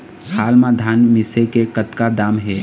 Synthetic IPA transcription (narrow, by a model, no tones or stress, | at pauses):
haːlmãd̪ʱanmɪsekekət̪kad̪aːmɦeː